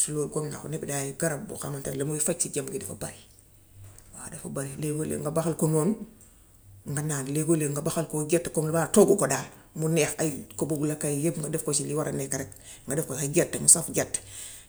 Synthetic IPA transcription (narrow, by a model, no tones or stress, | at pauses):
suloɡomna̰xo̰nebidajiɡaɾab̚bṵxamantalemoifacsiɟambɡidifabaɾi | wadefabaɾileɡolḛŋɡabaxalkonon | ŋɡanaːnleɡoleŋɡabaxalkoɡetːkomlbaːtoɡukodaː | munexakoboɡulakajjebŋɡadefkosiliwaɾʔa̰nekaɾek | ŋɡadefkokaɡetːmusafɡatː